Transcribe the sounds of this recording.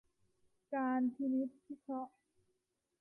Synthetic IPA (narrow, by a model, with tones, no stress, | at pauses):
kaː˧nt̪ʰi˧ni˦˥t̪̚kʰi˦˥kʰɾɔ˦˥ʔ